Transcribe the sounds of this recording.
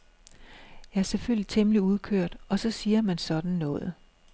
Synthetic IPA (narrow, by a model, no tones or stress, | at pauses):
jɑ̈æɐseføl̰it͡sʰemliuð̞ˠkʰøɐ̰d̥ɒ̽sɒ̽siːɐmænsɒ̽d̥n̩nɔ̽ːðˠə